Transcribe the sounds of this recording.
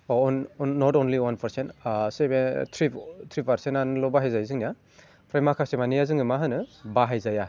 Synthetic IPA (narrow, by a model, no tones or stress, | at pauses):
onːɔtɔnliwanpʰɐɾsentsebetʰɾitʰɾipʰaɾsenanlɔbaɦajzajzɯŋnija | pʰɾajmakʰasemanijazɯŋɯmaɦɯnɯbaɦajzaja